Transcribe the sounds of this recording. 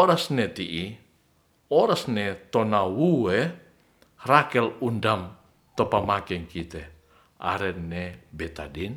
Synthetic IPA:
oɾasnet̪iʔi | ɔɾasnet̪onawuwɛ | rakɛlundam | t̪ɔpamakɛŋkit̪ɛ | a̰ɾɛnebɛt̪adin

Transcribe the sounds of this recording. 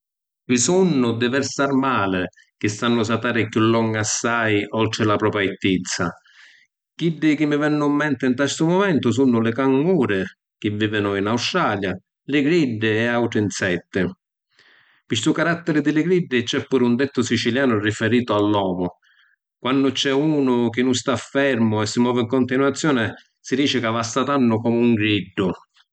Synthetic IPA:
visunːʊd̪ɪvɛɾst̪aɾmaːlɪ | k̟ɪst̪anːʊs̬at̪aːɾɪkjulːɔŋːasːajɔlt̪ɾɪlapɾɔːpɾait̪ːit̪sa | k̟iɖːɪk̟ɪmːɪvɛnːʊmːɛnt̪ɪnt̪ɛst̪ʊmɔmɛnt̪ʊs̬unːʊlɪkaŋːuːɾɪ | k̟ɪvːiːvɪnʊinawst̪ɾaːlja | lɪɡɾiɖːɪɛawʈɾɪnsɛt̪ːɪ | pɪst̪ukaɾat̪ːɪɾɪd̪ɪlɪɡɾiɖːɪt͡ʃɛpːuːɾund̪ɛt̪ːʊsit͡ʃiljaːnʊrifɛɾiːt̪ʊalːɔːmʊ | kwanːʊt͡ʃɛuːnʊk̟ɪnːʊnst̪afːɛɾmʊɛsːɪmwɔːvɪiŋkʊnt̪inwat̪sːjɔːnɪ | sid̪iːt͡ʃɪkavast̪at̪anːʊkɔːmuŋɡɾiɖːʊ

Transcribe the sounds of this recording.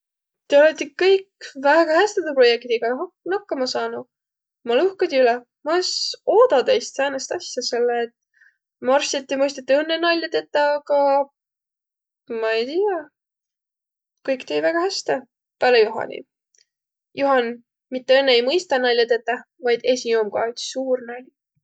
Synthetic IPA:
t̪e̞olɑt̪ʲːikɤjkvæɡ̥ɑhæst̪ed̪upro̞jek̚t̪iɡ̥ɑɦɑ | nɑkːɑmɑsɑːnu | mɑluhkɑd̪ʲiylɛ | mɑsoːd̪̥ɑd̪ejst̪sɑːnest̪ɑsʲjɑse̞lːeːt̪ | mɑrsɑt̪ʲːˑimɤjst̪ɑt̪ːuɤnːenɑlʲːɑt̪e̞t̪ːɑɑɡɑ | mɑejt̪ijɑ | kɤjkt̪ejvæɡ̥ɑhæst̪e | pælejuɦɑ̰nʲḭ | jʔuhɑn | mit̪ːeɤnːeejmɤjst̪ɑnɑlʲːɑt̪e̞t̪ːɑ | vɑjd̪̥e̞sijoːmkɑ̰yt̪suːrnɑlʲ

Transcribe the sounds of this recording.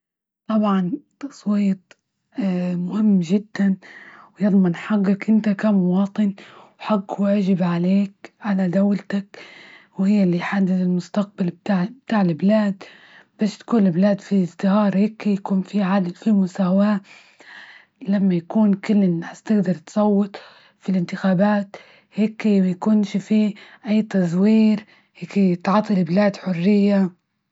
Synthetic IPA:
t̪ˤɑbʕɑnt̪ɑsˤwiːt̪ˤ | mʊhɪmːʒɪd̪ːanwjɨðˤmɪnħaɡːakʔɪnt̪akamʊwɑːt̪ˤɨnwħaɡːwʔaʒɪbʕaleːk̚ʕalad̪awlt̪ak | whɪjːalːiħad̪ːɪθɪlmʊst̪aq̚balb̚t̪aʕbt̪aːʕlɪblaːd̪ | b̥aːʃt̪ḁkuːnɪlblaːd̪fiɪzd̪ɪhɑːɾˤheːkjakuːnfiʕadɪfimʊsaːwaː | lamːajakuːnkɪlːɪnħast̪ɪɡd̪ɑɾˤt̪sˤɑwːɪt̪ˤ | filʔɪnt̪ɪxaːbaːt̪ | heːkjakuːnʃifiʔajːt̪ɑzˤwiːɾ | heːkɪt̪ʕɑt̪ˤːilɪblaːd̪ħʊrːɪjːa

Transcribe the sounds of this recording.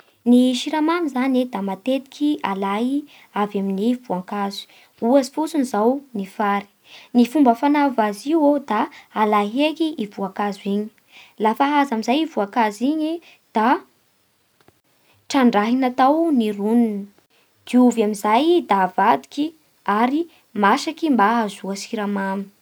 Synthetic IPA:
niʃiɾamanizaned̪amat̪et̪i̥kʰʲialaɦi | avaminivuaŋkazu̥ | uazi̥fut͡sunizawnifaɾi̥ | nifumbəfanavaziwod̪aːlaɦekiʔivuakazuiɲi̥ | lafaɦazamizajivuakaziɲi | d̪̥a | ʈ͡ʂaɳɖ͡ʐaɦinat̪awnirununə | d̪̥iuvamizajd̪avad̪iki | aɾi | maʃakimbaazuasiɾamam

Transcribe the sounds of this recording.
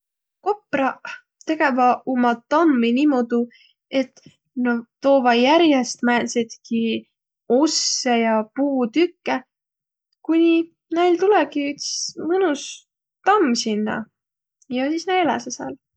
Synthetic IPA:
ko̞prɑ | t̪e̞ɡe̞vɑomɑt̪ɑmːiniːmod̪̥u | e̞t̪ː | not̪o̞ːvɑjæɾjest̪mænset̪ki | o̞sːejɑpuːt̪ykːe | kunʲi | næjlt̪ulɛkiyt̪si̥smɤnus | t̪ɑmːsinːɑ̰ | jɑsiːsnæelæ̰sɑsɑ̰ːl

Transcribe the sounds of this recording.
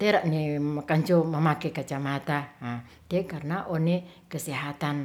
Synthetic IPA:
t̪eɾaʔnekaɲd͡ʒoməmakekat͡ʃamat̪aa | t̪ekarnaʔone | kəseɦat̪an

